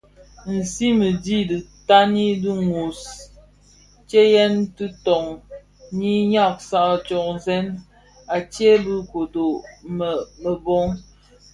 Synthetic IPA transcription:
n̩˨si˦mə˨di˦di˨ta˦ni˦di˦ŋo˨s | t͡ʃe˦jɛ˦ntɨ˦tɔ˨ŋ | ni˦ɲa˦˨k̚sa˦˨t͡ʃɔ˨kzɛ˦n | a˨t͡ʃje˦bɨ˦ko˨do˨ | mə˨bɔ˦ŋ

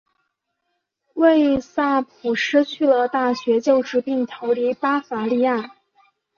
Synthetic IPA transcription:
we˥˧ɪsa˥˩pʰu˨˩ʂɻ̩˥t͡ɕʰy˥˩lə˩t̪a˥˩ɕɥɛ˧˥t͡ɕjo˥˩ʊʈ͡ʂɻ̩˧˥pi˥˩ŋt̪ʰo˧˥ʊli˧˥pa˥fa˧˥li˥˧ja˥˩

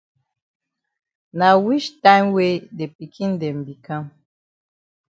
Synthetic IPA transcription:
na˨wi˦t͡ʃtã˦mwe˦de˨pi˨kʰĩ˦ndɛ˨mbi˨kã˦m

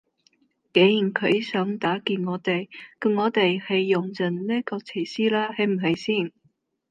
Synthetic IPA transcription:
ke˨˥jy˨˩nkʰɵ˨˧ɥsœː˨˥ŋt̪aː˨˥kiː˧nŋɔː˨˧t̪e˨jkɐ˨˧ŋɔː˨˧t̪e˨jhɐ˨jːʊ˨˩ŋt͡sɐ˨˩nniː˥kɔː˧t͡sʰiː˨˩siː˥laː˥hɐ˨˥jm̩˨˩ɦɐ˨˩jsiː˥˩n

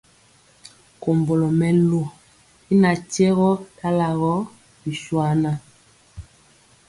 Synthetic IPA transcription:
ko˨mbo˨lo˨mɛ˨lo˨ | i˦na˨tɛ˦ɣɔ˦ta˦la˨ɣɔ˦ | bi˨ʃwa˦na˦

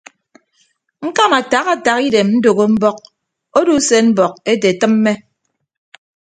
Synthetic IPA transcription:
ŋ̩˦ka˦ma˨ta˨˦ɣa˨ta˨ki˦de˨mn̩˦do˨ɣo˦m̩˦bɔ˦k̚ | o˦du˦se˦m̩˦bɔ˨k̚e˦te˨tɨ˦m̩ː˦e˦

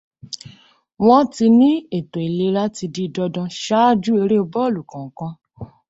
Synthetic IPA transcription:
w̃ɔ̃˦ti˧nĩ˦e˦˨to˨e˨le˧˦la˦ti˧di˧dɔ˧dɔ̃˧ʃa˦d͡ʒu˦e˧ɾe˦o˧bɔ˦˨lu˨kã˨ŋ̩˨kã˧˦

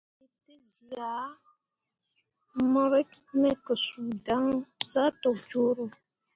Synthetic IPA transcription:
e˨te˦zi˨a˨˦ | mɔ˦ɾɛ˦kmɛ˦˨kə˨su˨da˦ŋza˦tɔ˨k̚d͡ʒo˦ɾo˦

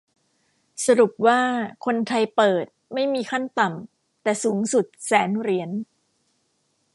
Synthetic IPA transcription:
sa˧ɾu˨˩p̚waː˥˩kʰo˧nt̪ʰa˧jpɤː˨˩t̪̚ma˥˩jmiː˧kʰa˥˩nt̪a˨˩m | t̪ɛː˨˩suː˩˦ŋsu˨˩t̪̚sɛː˩˦nɾi˩˦ən

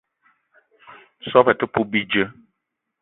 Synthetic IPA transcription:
sɔ˦pɛ˨tə˦pu˦bi˦d͡ʒə˦

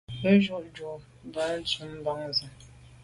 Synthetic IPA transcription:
pə˦ʒu˦ʔd͡ʒu˨ | m˨bə˦n̩˦t͡su˨˦m̩˦ba˦ŋzə˨

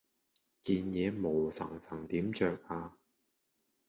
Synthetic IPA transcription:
kiː˧njɛː˨˧mo˨˩wsɐ̰˨˩ŋsɐ˨˩ŋt̪iː˨˥mt͡ʃœː˧k̚ʔaː˧

